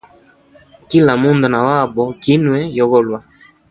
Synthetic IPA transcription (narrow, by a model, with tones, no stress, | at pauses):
ki˦la˨mu˦ndɔ˨na˨wa˦˨bɔ˨ki˦nwɛ˨jɔ˨ɣɔ˦lwa˨